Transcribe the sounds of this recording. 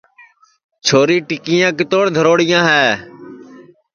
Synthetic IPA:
t͡ʃʰoːɾiːʈɪkɪjãːkɪt̪oːɽd̪ʱəɾoːɽɪjãːɦɛː

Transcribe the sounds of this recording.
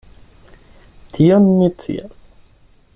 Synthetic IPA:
t̪ʰiɔnːit͡sːḭas

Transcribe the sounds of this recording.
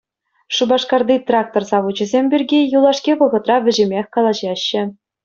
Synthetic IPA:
ʂubɑʂkɑrd̪it̪rɑk̚t̪orzɑʋud͡ʑɘ̆zʲemʲbʲirʲɡʲijulˠɑʂkʲiʋɤ̆ʁɤ̆t̪rɑʋʲɘ̆ʑĕmʲexʲkɑlˠɑʑɑɕːɘ̆

